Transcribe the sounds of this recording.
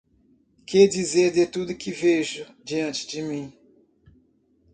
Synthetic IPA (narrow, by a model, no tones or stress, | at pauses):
kɛɾd͡ʒizeɾd̪et̪ud̪ʊkɪveʒʊ | d͡ʒiɐ̃nt͡ʃɪ̥d͡ʒɪmĩ